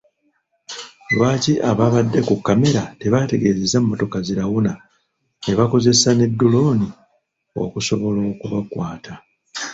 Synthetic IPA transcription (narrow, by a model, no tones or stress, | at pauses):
βaːciʔaβaβadːe̞kukːame̞ɾateβate̞ɡe̞ːzezamːo̞to̞kaziɾaɣuna | neβako̞ze̞sane̞dːulo̞ːni | o̞̰ːkuso̞βo̞lo̞ːkuβakwaːtʰa